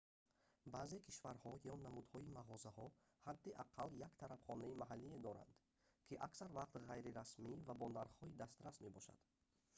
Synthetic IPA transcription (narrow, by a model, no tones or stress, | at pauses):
baze̞kʰiʃvaɾhɔjɔnamud̪hɔimaʁɔzahɔ | had̪ːiʔaqʰaljakt̪ʰaɾafχɔnaimaɦalːied̪ɔɾa̰nd̪̥ | kʰiʔaksaɾvaqt̪ʁajɾiɾasmivabɔnd̪aɾχɔid̪ast̪ɾasme̞bɔʃa̰d̪̥